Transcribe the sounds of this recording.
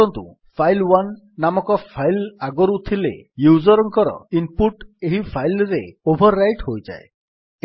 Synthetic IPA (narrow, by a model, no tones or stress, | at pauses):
ɔnt̪ṵ | pʰajlwanː | amɔkɔpʰajlaɡɔɾut̪ʰilḛjuzɔɾɔŋkɔɾɔ̰impuʈeɦipʰajlɾeobʱɔɾːajʈhojd͡ʒa̰e